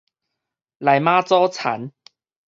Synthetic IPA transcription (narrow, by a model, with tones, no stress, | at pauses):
la˨˩˦jmaː˥t͡sɔː˥t͡sʰa̰˨˦n